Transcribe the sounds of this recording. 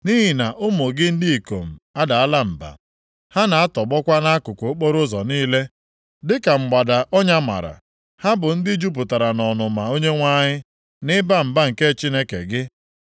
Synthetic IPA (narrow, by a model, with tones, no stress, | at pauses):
ni˦ɦi˨na˨ʔʊ˦mʊ˨ɡɪ˦n̩˦di˦i˨ko̰˨m̩˨a˦da˨a˦la˦m̩˨ba̰˨ | ha˦na˨a˦tɔ˨ɡ͡bɔ˦kʷa˦na˦a˦kʊ˨kʷo˨o˦k͡po˦ɾʊ˦zɔ˨niː˦le˦ | dɪ˦ka˨ŋ͡m̩˨ɡ͡ba˨da˨ʔɔ˦ɲa˦ma̰˨ɾa̰˨ | ha˦bʊ˨n̩˦dɪ˦d͡ʒu˦p̬ʊ˨ta˨ɾa˨nɔ˨nʊ˨ma˨o˦ɲe˦ŋʷa˦ɲɪ˦ | nɪ˦ba˦m̩˨ba˦ŋ̩˨ke˦˨t͡ʃi˦ne˦kḛ˨ɡɪ˦